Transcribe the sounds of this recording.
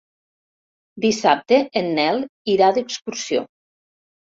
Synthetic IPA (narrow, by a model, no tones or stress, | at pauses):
d̪isap̚t̪eenːɛlˠiɾaðəkskuɾsio̰